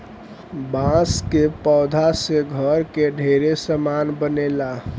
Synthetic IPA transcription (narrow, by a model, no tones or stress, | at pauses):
bãskepɔwd̪ʱaseɡʱəɾkeɖʱeɾesəmanbənela